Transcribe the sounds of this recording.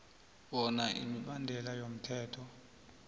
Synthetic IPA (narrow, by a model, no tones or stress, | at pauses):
ɓɔnaʔḭmiɓandʱɛlajom̩tʰɛːtʰɔ